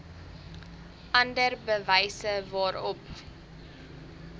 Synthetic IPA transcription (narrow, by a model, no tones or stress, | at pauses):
ʔɐndərbəvɛjsəvɑːɾɔp